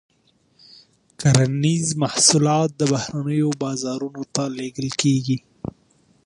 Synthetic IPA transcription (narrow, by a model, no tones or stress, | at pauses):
kaɾanizmahsulɑt̪̚d̪əbahɾanəjobɑzɑɾunot̪aleɡəlkeɡi